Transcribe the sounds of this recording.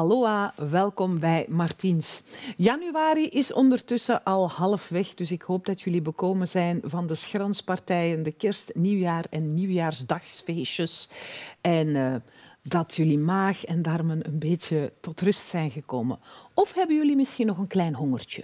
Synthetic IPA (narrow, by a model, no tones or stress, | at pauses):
ɦɑloːaːʋɛlˠkɔmbɛjmɑrtinsjɑnyʋaːɾiʔɪsɔ̰ndərtʏsəʔɑlˠhɑlˠfʋɛxdɵsɪkhoːb̚dɑtjɵlibəkoːmənzɛjnvɑndəsxrɑnspɑrtɛjəndəkɪrstniwjaːrɛnːiwjaːrzdɑxsfeːʃəs | ɛn | dɑtʰjɵlimaːxɛndaːrmənə̰nbeːtətɔtrʏstsɛjnɣəkoːmə̰nɔfɦɛbənjʏlimɪsxinːɔxənklɛjnɦɔŋərt͡ʃə̰